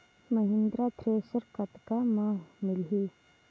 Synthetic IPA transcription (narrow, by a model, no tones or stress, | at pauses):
məɦɪ̃nd̪ɾat̪ʰɾeːsəɾkɐt̪kamãːɦmɪlɦi